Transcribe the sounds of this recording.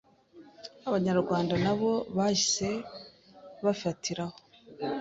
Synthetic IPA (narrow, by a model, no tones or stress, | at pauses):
aβaɲaɾɡwaːndanaβo̞βaʃise̞ | βafatʰiɾaho